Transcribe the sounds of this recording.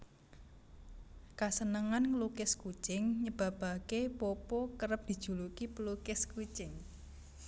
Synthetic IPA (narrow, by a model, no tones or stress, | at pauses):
kasənəŋanŋlukɪskut͡ʃɪŋɲəb̥ä̤b̥a̤kepɔpɔkəɾəp̚d̪̥i̤d̥ʒ̥ṳlukipəlukɪskut͡ʃɪŋ